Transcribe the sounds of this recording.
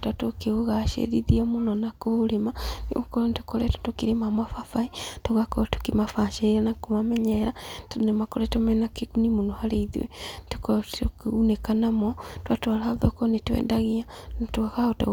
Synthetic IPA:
twatokeɣoɣaʃḛðiðiɔmonɔnakoɾemanḛokɔɾɔntokɔɾɛto̥tokiɾemamwafafaitoɣakɔtu̥kimafaʃɛiɾanakomamɛɲɛɾatonemakoɾɛtomɛnakekunimonohaɾeiðḭwɛ̰tukɔokunekanamɔtwatwaɾahaðɔkɔnetwɛ̰ːdaɣia | natwaɣaota̰

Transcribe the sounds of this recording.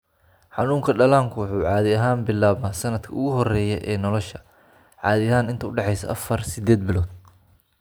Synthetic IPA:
ħɑnuːŋkʰɐɖɐlaːŋkʰʊwʊħuːʕɑːðɪɐɦaːnbɪlːaːβnaːsɐnɐd̪kʰɐʊɣʊɦɔrɛːjɛʔɛːnɔlɔʃɐ | ʕɑːðɪɐɦaːnɪnt̪ɐʊɖɛħɛjsɐ̰ʔɐfɐrsɪd̪ɛːd̪̚bɪlɔːd̪̚

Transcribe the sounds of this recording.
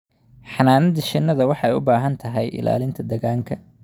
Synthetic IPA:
ħɑnaːnɐd̪ɐʃɪnːɐðɐwɑħɑɛjʊbaːɦɐnt̪ʰɐɦɛjʔɪ̰la̰ːlɪnt̪ʰɐd̪ɐɣaːŋkʰɐ

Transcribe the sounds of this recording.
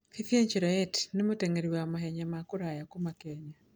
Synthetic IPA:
kiθieɲt͡ʃeɾɔɛtnemoteŋeɾiwaamaɦɛɲamakoɾajakomakɛɲa

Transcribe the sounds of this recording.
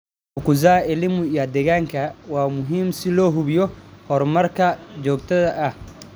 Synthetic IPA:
hʊkʊzaːɪlɪmʊiɐd̪ɛɣaːŋkʰɐwaːmʊɦiːmsɪlɔːɦʊβɪjɔhɔrmɐrkʰɐd͡ʒɔːɡ̚t̪ʰɐðɐʔɐh

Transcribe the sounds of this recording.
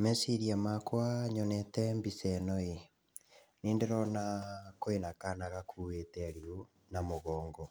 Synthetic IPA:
mɛsiɾiamakwaɲɔnɛtɛmbisɛnɔi | niːndeɾɔnakoenakanaɣakʰuːetɛɾiu | namoɣɔːŋɡɔ

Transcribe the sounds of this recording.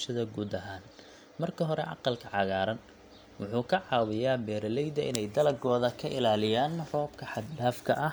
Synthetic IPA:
ʃɐðɐɡuːd̪ɐɦaːn | mɐrkʰɐɦɔɾɛ̰ʔɑ̰qɑlkʰɐʕɑɣaːɾɐn | wʊħuːkʰɐʕɑːwɪjaːbɛːɾɐlɛjd̪ɐʔɪnɛjd̪ɐlɐɡɔːðɐkʰɐʔɪlaːlɪjaːnrɔːb̚kʰɐħɑd̪laːfkʰɐʔɐ

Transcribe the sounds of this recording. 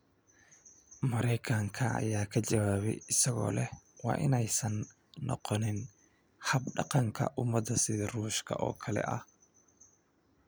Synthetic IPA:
mɐɾɛjkʰɐŋkʰɐɐ̰jaːkʰɐt͡ʃɐwaːβɛ̰jɪsɐɣɔ̰ːlɛhwɑ̰ːʔɪnɛjsɐnː | ɔ̰qɔnɪn | hɐbɖɑqɑŋkʰɐ̰ʔʊmɐd̪ːɐsɪðɐruːʃkʰɐ̰ʔɔːkʰɐlɛ̰ʔɐ̰h

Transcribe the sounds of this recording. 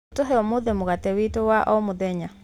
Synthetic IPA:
toɦɛɔmoðemoɣatɛwitowaʔɔmoðɛɲa

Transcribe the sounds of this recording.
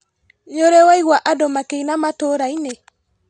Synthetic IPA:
ɲoɾɛwaiɣwaʔadɔmakeinamatoɾaine

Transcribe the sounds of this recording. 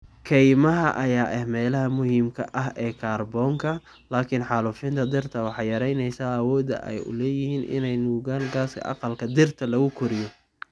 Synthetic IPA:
kʰɛjmɐɦɐʔɐjaːʔɛhmɛːlɐɦɐmʊhiːmkʰɐʔɐɦɛːkʰaːrbɔːŋkʰɐ | laːkʰɪnħɑːlufɪnt̪ʰɐd̪ɪrt̪ʰɐwɑħɑjɐɾɛjnɛjsaːɐwɔːd̪ɐ̰ʔɛ̰jʊ̰lɛːjɪhiːnʔɪ̰nɛjnuːɣaːnɡaːskʰɐ̰ʔɑ̰qɑlkʰɐd̪ɪrt̪ʰɐlɐɣʊkʰʊɾɪjɔ

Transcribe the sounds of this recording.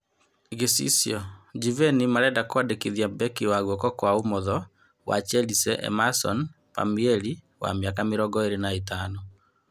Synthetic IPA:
eɣesḭsiɔd͡ʒivɛnimaɾɛdakwadekiðjabɛkiwaɣɔkɔkwaumɔðɔ | wa̰t͡ʃɛlisɛʔɛ̰masɔ̰n | pa̰miɛli | wa̰miakameɾɔŋɡɔeɾenaetaːnɔ

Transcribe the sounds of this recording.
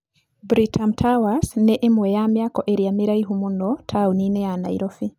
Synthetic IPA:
bɾitʰamtʰawasnɛʔemwɛjamjakɔʔeɾiamiɾaiɦumunɔtʰauninɛana̰iɾofi

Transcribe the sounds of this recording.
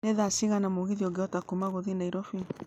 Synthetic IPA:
neðasiɣanamoɣiðiɔɡeɔtakumaɣoðinaiɾɔfi

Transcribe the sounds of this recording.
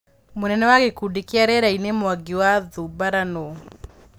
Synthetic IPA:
monɛnɛwaɡekudekeaɾɛɾainemwaɡiwaðubaɾano

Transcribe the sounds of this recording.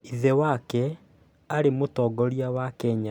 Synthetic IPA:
iðɛwakɛ | aɾemotɔɡɔɾiawakɛɲa

